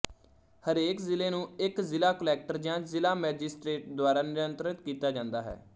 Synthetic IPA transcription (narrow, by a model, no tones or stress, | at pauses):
həɾeːkzɪleːnũːɪkzɪlaːkəlɛːk̚ʈəɾd͡ʒãːzɪlaːmɛːd͡ʒɪsʈɾeːʈ̚d̪ʊaːɾaːnɪɾənt̪ɾət̪kiːt̪aːd͡ʒãːnd̪aːɦɛ̰ː